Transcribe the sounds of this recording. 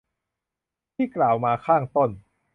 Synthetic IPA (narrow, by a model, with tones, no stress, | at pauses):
t̪ʰiː˥˩klaː˨˩wmaː˧kʰaː˥˩ŋt̪o˥˩n